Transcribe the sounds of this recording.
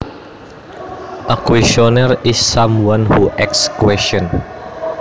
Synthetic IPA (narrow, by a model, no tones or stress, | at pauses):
ʔəkwɛsɔnərisːãmwãnhuʔɛk̚skwɛstɔ̃n